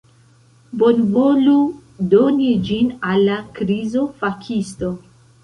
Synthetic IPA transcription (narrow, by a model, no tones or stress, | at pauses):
bonvoludonid͡ʒinalːakɾizo̞fakʰisto̞